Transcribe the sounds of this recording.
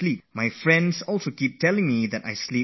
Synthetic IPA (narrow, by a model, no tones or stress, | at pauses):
lip̚majfɹɛ̃ndsɔlˠsokip̚tɛlɪ̃ŋmidɛta̰jsli